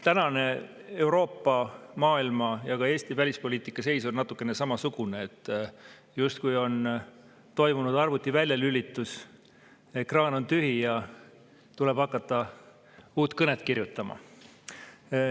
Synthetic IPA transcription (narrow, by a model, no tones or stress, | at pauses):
t̪ænɑne̞ | e̞wɾo̞ːpːɑmɑːilmɑjɑɡɑe̞ːst̪ivælʲispo̞liːt̪ˑikːˑɑse̞jsonnɑt̪ːˑukˑːe̞ne̞sɑmɑsukuneːt̪ːˑ | just̪̚kujo̞n | t̪o̞jmunud̪ɑrvut̪ːˑivælʲjɑlylːit̪ːˑus | ekrɑːno̞nt̪yɦijɑ | t̪ulɛ̞b̥ɑkːˑɑt̪ːˑɑ | uːt̪ːˑkɤnet̪ˑkirjut̪ːˑɑmɑ̰